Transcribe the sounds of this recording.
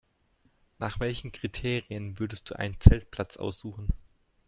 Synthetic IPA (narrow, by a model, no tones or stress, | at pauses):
naːχv̥ɛlçn̩kʁ̥itʰeːʁiənvʏɐdəst̚d̥uːʔa̰ɪnənt͡sɛlt̚pʰl̥at͡sʔa̰ʊsz̥uːχn̩